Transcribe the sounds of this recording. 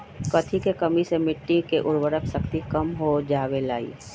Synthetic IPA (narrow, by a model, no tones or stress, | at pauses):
kɐt̪ʰikekəmisemɪʈːikeʔʊɾwəɾəksɐkt̪ikəmɦod͡ʒaːwelaːḭː